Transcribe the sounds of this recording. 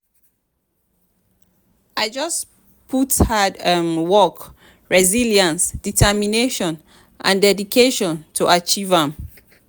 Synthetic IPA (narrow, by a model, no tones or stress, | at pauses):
aɪd͡ʒʌs | pʰuthadamwɔk | ɹɛziljãnsd̥itʰɛmineʃɔ̃n | ʔã̰ndɛdikʰeʃɔ̃ntʰuʔat͡ʃivãm